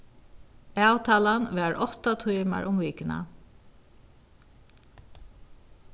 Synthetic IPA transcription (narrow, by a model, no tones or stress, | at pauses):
awt̪ʰaːlanʋɛɹʔɔht̪at̪ʰujma̰ɹʔʊmviːkɪna̰